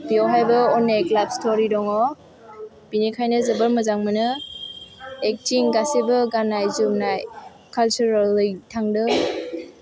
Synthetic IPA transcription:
b̥iawɦajbɯɔneklab̚stɔɾidɔŋɔ | binikʰajnɯzəbəɾməzaŋmɯnɯ | ek̚tiŋɡasebɯɡanajzumnaj | kʰalt͡ʃuɾalːɯjtʰaŋdɯ

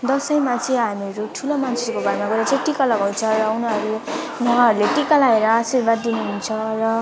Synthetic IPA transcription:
d̪ʌsʌjmat͡sʌĩɦameɾuʈʰulomant͡sʰekobaɾmaɡʌɾat͡sʰʌĩʈikʌlʌɡɦot͡sʰʌrʌunɦʌɾule | nʌaɦʌɾuleʈikalaeɾʌasirbad̪ːinuɦunt͡sʰʌrʌ

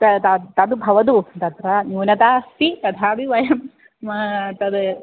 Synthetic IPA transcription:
t̪ɐt̪ɐt̪ɐd̪ubʱɐʋɐd̪ut̪ɐt̪ɾɐnuːnɐt̪aːst̪it̪ɐd̪ʰʱaːbiʋɐjɐm | mɐt̪ɐd̪

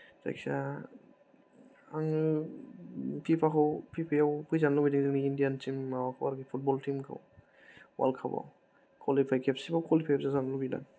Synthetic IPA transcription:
za̰jksa | aŋ | pʰipʰakʰɔwpʰipʰajawkʰujzanlɔbidaŋziniindijantʰimawakʰɔwaɾkipʰut̚bɔltʰimkʰa̰w | wa̰lkʰaba̰w | kʰɔlipʰajkʰɛpsibakʰɔlipʰakɛpsazanlɔbida̰ŋ

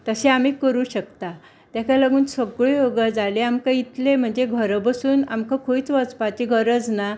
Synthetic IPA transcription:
t̪əɕeamiːkəɾuːɕəkt̪a | t̪jakalaɡuːnsəɡɭejoɡəd͡zaleamkajit̪lem̤əɳd͡zeɡʱəɾbəsuːna̰mkakʰoit͡sʋət͡spat͡ɕiɡʱəɾəd͡zna

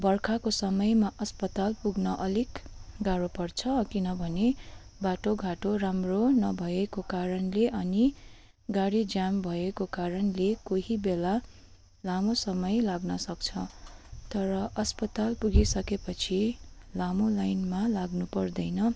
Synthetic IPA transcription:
bʌrkʰakosʌmʌjmaʔʌspʌt̪alpuɡnʌʔʌlikɡaɾopʌrt͡sʰʌkinʌbʱʌne | baʈoɡʱaʈoramronʌbʱʌekokaɾʌnleʔʌni | ɡaɽid͡zambʱʌekokaɾʌnlekoɦibela | lamosʌmʌjlaɡnʌsʌkt͡sʰʌt̪ʌɾʌʔʌspʌt̪alpuɡisʌkepʌt͡sʰilamolajnmalaɡnupʌrd̪ʌjnʌ

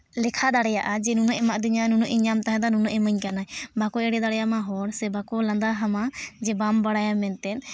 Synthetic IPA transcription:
lɛkʰad̪aɽɛjaʔad͡ʒɛnunɔʔɛmaʔd̪iɲanunɔʔiɲamt̪aɦɛ̃d̪anunɔʔɛməɲkanajbakɔɛɽɛd̪aɽjamaɦɔɽsɛbakɔlãnd̪aɦamad͡ʒɛbambaɽajamɛnt̪ɛt̪̚

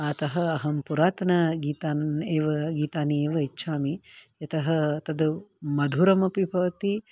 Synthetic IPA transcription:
aːt̪ɐɦɐɐɦɐmpuɾaːt̪ɐnɐɡiːt̪aːeːʋɐɡiːt̪aːnieːʋɐitːʃʰaːmijɐt̪ɐɦɐt̪ɐd̪umɐd̪ʱuɾɐmɐpibʱɐʋɐt̪i

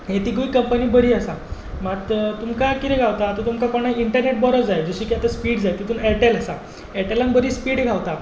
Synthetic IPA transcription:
ɦet̪iːɡuikəmpəniːbəɾiːasamat̪t̪umkakit̪ʰɛ̃ɡʱaʋt̪aːt̪ət̪umkakoɽ̃ajiɳʈəɾneʈ̚bɔɾəd͡zajd͡zəɕiːkiat̪əspiːɽd͡zajt̪it̪uːnɛʈelasa | ɛʈelanbəɾiːspiːɽɡʱaʋt̪a

